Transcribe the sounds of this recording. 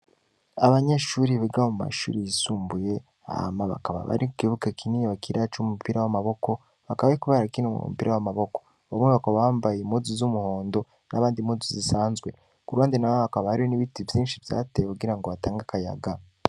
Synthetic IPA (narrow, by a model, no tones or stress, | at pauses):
aβaɲe̞ʃuːɾiβeɡahomuma̰ʃṵːɾijisuːmbuje̞ | a̰ha̰maβa̰kaβa̰βa̰ɾikiβukekʰinijeβakʰiɾat͡ʃumupiɾawamaβo̞ko̞ | βakaβaikuβaɾakinomṵmṵpiːɾawamaβo̞ko̞̥ | βamŋeβakaβaβaːmbajemuzuzumuho̞ːndo̞ | naβaːndimuzuzisaːnzɡwe̞̰ | kuɾwaːndinaβoβakaβahaɾioniβitivjiːnʃivja̰ːtejekuɡiɾaŋɡo̞βataːŋɡakaja̰ɡa